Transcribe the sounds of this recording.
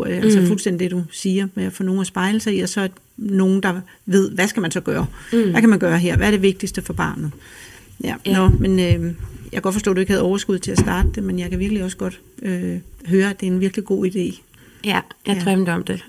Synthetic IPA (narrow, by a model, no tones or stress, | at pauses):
ɐ̰jælsəfulsden̰did̥ed̥usiːɐmeæfɔ̰ːno̝ːn̩æsb̥ɑ̈ɪləsɑ̈iɒsɒ̽æ̥ | no̝ːn̩d̥ɑ̈ | ʋe̝ð̞̰ˠʋæsɡ̥æmænsɒ̽ɡ̥ɶːɐʋækʰæmænɡ̥ɶːɐɦeɐ̰ʋæɐɾ̥e̝ʋe̝ɡ̥̚d̥isd̥əfɒ̽b̥ɑ̰̈ːnð̩ˠ | jænɔ̽menøjɑkæɡɒ̽d̥fɒsd̥o̰ːd̥ue̝ɡ̥hæð̩ˠɒʊɐsɡ̥uð̰ˠt͡sʰe̝æsd̥ɑ̈ːd̥əd̥e̝menjɑɪkʰæʋiɐɡ̥liɒ̽səɡ̥ɒ̽d̥ | øɦøːɐæd̥e̝æɐenʋiɐɡ̥liɡ̥o̝̰ːid̥e̝̰ː | jʁœnd̥ɒmd̥e